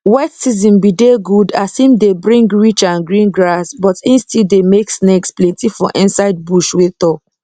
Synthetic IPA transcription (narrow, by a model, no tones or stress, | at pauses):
watsizĩnbideɡudasĩmdebɹĩŋɡɹit͡ʃãnɡɹĩnɡɹasbɔtĩnstidemeksneksplɛ̃ntifɔʔĩnsaɪd̚buʃwet̪ɔk